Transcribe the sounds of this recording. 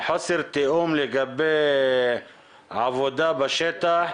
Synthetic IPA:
ħasɪɾt̪iʔuːmlɪɡabːe | ʕavod̪abaʃet̪a

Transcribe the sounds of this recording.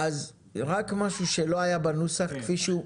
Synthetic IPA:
az | ʁakmaʃuʃelo̞ajabanusaχkfiʃu

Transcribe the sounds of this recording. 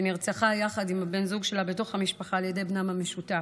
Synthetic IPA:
niʁt͡saχajaχadimabe̞nzuɡʃe̞labeto̞χhamiʃpaχaːljede̞jbnamame̞ʃuta

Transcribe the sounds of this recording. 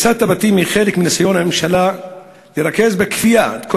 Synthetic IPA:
saːt̪ːabat̪iːmixeːlɪkmɪnasajoːnamɪmʃala | ljɾˤɑkːezbɪkfijat̪ko

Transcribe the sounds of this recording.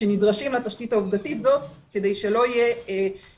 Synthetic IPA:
enidʁaʃimlat̪aʃtitauvdatitzo̞tkede̞jʃe̞lo̞ije

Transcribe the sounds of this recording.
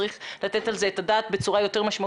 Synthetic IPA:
ʁiχlat̪e̞t̪alzeetadaːt̪be̞t͡suʁajo̞te̞ʁmaʃma

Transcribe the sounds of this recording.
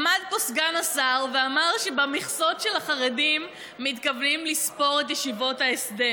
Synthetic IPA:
mad̪̚posɡanasaʁveamaʁʃebamiχso̞tʃelaχaʁedimː | it̪kavnimlispo̞ʁet̪̬jeʃivo̞thaesd̪e

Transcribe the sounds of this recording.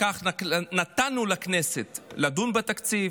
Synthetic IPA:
kaχnat̪anulakneset̪lad̪unbat̪akt͡si

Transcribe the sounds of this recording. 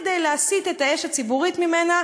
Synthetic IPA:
d̪ejleasit̪e̞t̪ae̞ʃat͡sibuʁit̪mime̞na

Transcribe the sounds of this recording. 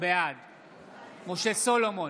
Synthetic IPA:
bead̪ | moʃesolomo

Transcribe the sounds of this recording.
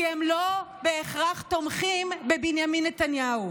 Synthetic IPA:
iemlobeːχʁaχt̪o̞mχimbebinjaminːet̪anjau

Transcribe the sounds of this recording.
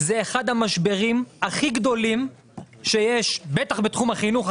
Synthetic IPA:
zeːχad̪hamaʃbe̞ʁimhaχiɡd̪o̞lim | ʃejeʃbet̪aχbet̪χumhaχinuχ

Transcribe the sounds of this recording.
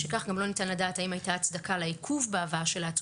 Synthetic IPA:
ʃekaχɡamlo̞nitanladaːtaimajtaːt͡sd̪akalaikʰuvbeavaaʃelaːt͡s

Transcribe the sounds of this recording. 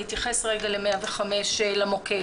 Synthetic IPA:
it̪jaχe̞sʁe̞ɡalemeaveχameʃelamoke

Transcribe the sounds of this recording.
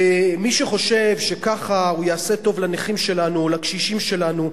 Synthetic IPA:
miʃeχo̞ʃe̞vʃekaχaujaːse̞to̞vlaneχimʃe̞lanuolakʃiʃimʃe̞lanu

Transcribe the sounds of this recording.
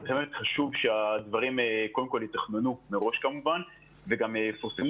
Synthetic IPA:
bemet̪χaʃuvʃead̪vaʁimko̞ldemko̞ljit̪aχnenumeʁo̞ʃkamuvan | veɡamefosm

